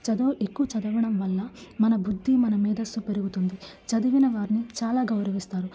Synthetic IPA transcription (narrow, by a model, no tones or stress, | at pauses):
t͡ʃɐd̪oːʔekːuʋɐt͡ʃɐd̪ɐʋɐɳɐmʋɐlːɐmɐnɐbud̪ʱːimɐnɐmiːd̪ɐst̪upe̞ɾuɡut̪und̪it͡ʃɐd̪iʋinɐʋaːɾinit͡ʃaːlaːɡɐwɾɐʋist̪aːɾu